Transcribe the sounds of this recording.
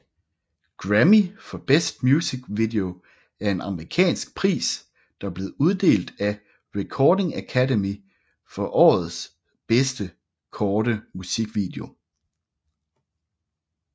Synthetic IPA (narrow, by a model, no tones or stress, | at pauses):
ɡ̥ʁæmifɒ̽b̥esd̥mjusiɡ̥ʋid̥e̝o̝ | æɐe̝nɑ̈məʁikʰɛ̰ːnsɡ̥pʰʁḭːs | d̥ɑ̈b̥le̝ːð̩ˠuð̞ˠd̥e̝̰ːld̥æ | ʁɛkʰɒːd̥e̝ŋækʰædemi | fɒ̽ʔɒ̰ːð̩ˠs | b̥esd̥ə | kʰɒːɾ̥əmusiɡ̥ʋḭd̥e̝o̝